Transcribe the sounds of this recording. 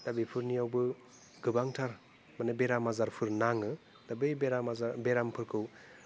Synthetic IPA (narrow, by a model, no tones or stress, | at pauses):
d̥abijpʰɯɾnijawbɯ | ɡɯbaŋtʰaɾ | manebeɾamazaɾpʰɯɾnaŋɯ | d̥abɯjbeɾamazaɾbeɾampʰɯɾkʰɯw